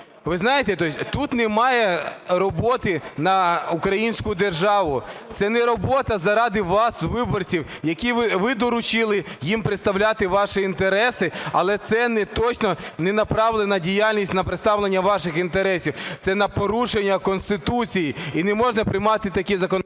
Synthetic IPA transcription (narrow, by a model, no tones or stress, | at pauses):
ʋɪznɑjet̪ɛt̪ɔsʲt̪ut̪nɛmɑjɛɾɔbɔt̪ɪnɐukɾɐjinʲsʲkʊd̪erʒɑʋʊt̪sɛnɛɾɔbɔt̪ɐzɐɾɑd̪ɪʋɑsʋɪbɔrt͡sʲiwjɐkʲiʋɪʋɪd̪ɔɾʊt͡ʃɪlˠɪjimpɾɪt̪st̪ɐwlʲat̪ɪʋɑʃɪint̪eɾɛsɪɐlˠɛt̪sɛnɛt̪ɔt͡ʃnɔnɛnɐpɾɑʋlˠenɐdʲijalʲnʲisʲtʲnɐpɾɪt̪st̪ɑʋlˠenʲːɐʋɑʃɪxint̪eɾɛsʲiwt̪sɛnɐpɔɾuʃenʲːɐkɔnst̪ɪt̪ut͡sʲijiinɛmɔʒnɐpɾʲɪjmɑt̪ɪt̪ɐkʲizɐkɔn